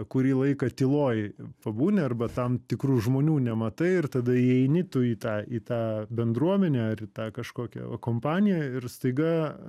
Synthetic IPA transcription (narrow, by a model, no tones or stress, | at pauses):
kʊɾʲiːlˠɐɪkɐt̪ʲɪlˠoːjpɐbuːnʲɪɐrbɐt̪ɐmt̪ʲɪkɾuːʒmoːnʲuːnʲɛmɐt̪ɐɪɪrt̪ɐd̪ɐiɛɪnʲɪt̪ʊiːt̪ɑːit̪ɑːbʲɛnd̪ɾuɔmʲɛnʲɛːɐrit̪ɑːkɐʃkoːkʲɛ̰ʋɐ̰koːmpɑːnʲɪjɛɪrst̪ɐɪɡɐ